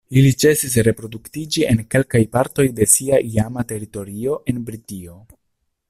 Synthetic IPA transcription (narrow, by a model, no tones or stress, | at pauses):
ilit͡se̞sis̬ɾe̞pɾo̞duktid͡ʒie̞nke̞lkajpaɾto̞jde̞siaʔiamate̞ɾito̞ɾio̞ʔe̞nbɾitio̞